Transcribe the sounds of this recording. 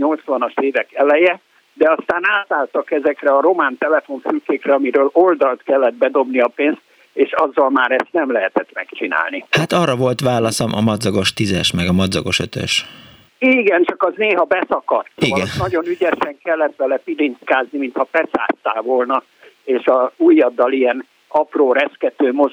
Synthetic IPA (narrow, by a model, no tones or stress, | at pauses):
ɲo̞lt̪sʋɒnɒʃeːvɛkɛlɛjɛ | d̪ɛɒst̪aːnaːt̪aːlt̪ɒkɛzɛkrɛɒɾo̞maːnt̪ɛlɛfo̞ɱfykːeːkrɛɒmiɾøːlo̞ld̪ɒlt̪kɛlːɛd̪̚bɛd̪o̞bniɒpeːnst̪̚ | eːʃɒzːɒlmaːɾɛst̪nɛmlɛɦɛt̪ɛt̪mɛkt͡ʃina̰ːlnihat̪ɒːrɒvo̞lt̪ʋaːlɒsɒmʔɒ̰mɒd̪zɒɡo̞ʃt̪izɛʃmɛɡɒmɒd̪zɒɡo̞ʃø̰t̪ø̰ʃ | iːɡɛnt͡ʃɒkɒzneːɦɒbɛsɒkɒrt̪ːiɡɛnnɒɟo̞nyɟɛʃɛŋkɛlːɛt̪ʋɛlɛpilint̪kaːznimint̪hɒpɛsa̰ːst̪ːaːvolnɒ | eːʃɒuːjːɒd̪ːɒliɛn | ɒproːɾɛskɛt̪øːmo̞